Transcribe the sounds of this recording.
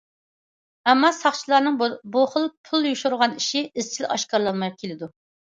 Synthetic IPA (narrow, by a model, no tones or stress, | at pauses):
ɛmːɑsɑχt͡ʃʰilˠɑɾnɨŋbbuχəlˠpʰulˠjuʃuɾʁɑniʃiɪz̥t͡ʃʰilɑ̰ʃkɑɾlˠɑnmɑjp̚kʲʰelɪd̪u